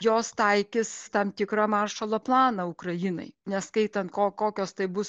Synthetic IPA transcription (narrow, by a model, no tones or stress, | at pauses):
joːst̪ɐɪkʲɪst̪ɐmt̪ʲɪkɾɐmɑːrʃɐlˠɐplˠɑːnɐʊkɾɐjɪnɐ̰ɪnʲɛskɐɪt̪ɐnt̪koːkoːkʲoːst̪ɐɪbʊs